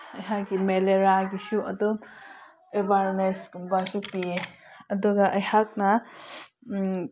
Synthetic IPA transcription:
ɐjɦak̚ɡimeleɾaɡisuɐ̰dom | ebʱaɾneskumbasupieɐduɡɐʔɐjhak̚nɐ

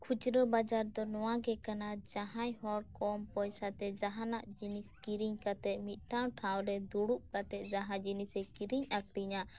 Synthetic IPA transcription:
kʰut͡ʃɾɔbad͡ʒaɾd̪ɔnɔwaɡɛkanad͡ʒaɦãjɦɔɽkɔmpɔjsat̪ɛd͡ʒaɦanaʔd͡ʒiniskiɾiɲkat̪ɛʔmit̪̚ˀʈʰaw̃ʈʰaw̃ɾɛd̪uɽuʔ̚kat̪ɛˀd͡ʒaɦãd͡ʒinisɛkiɾiɲakɾiɲa

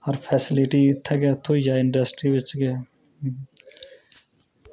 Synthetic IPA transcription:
həɾpʰɛːsɪlɪʈiːt̪ʰːɛɡɛːt̪ʰoid͡ʒaːɪɳɖəsʈɾiːʋɪt͡ʃɡɛː

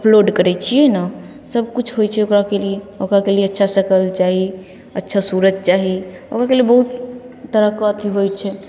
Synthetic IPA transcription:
əpʰloɖkəɾɛt͡ʃʰijɛna | səb̚kut͡ʃʰɦojt͡ʃʰɛokɾakelieokɾakelieətːʃʰasəkəlt͡ʃaɦi | ətːʃʰasuɾəd͡ʒ̪̚t͡ʃaɦi | o̰kɾakeliebəɦut̪ | t̪əɾəkɔət̪iɦojt͡ʃʰɛ

